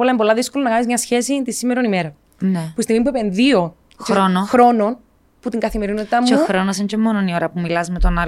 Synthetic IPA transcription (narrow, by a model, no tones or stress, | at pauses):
olɐembo̞lɐðisko̞lonɐɣɐnizmɲɐsçe̞sit̪isime̞ɾo̞nime̞ɾɐ | nepuist̪iɣmip̬uepe̞nðio̞ | t͡ʃeɾonoxɾo̞no̞n | put̪iŋɡɐθimeɾino̞t̪it̪ɐmːt͡ʃuxɾonosencomːononioɾɐpumilɐzme̞t̪onɐ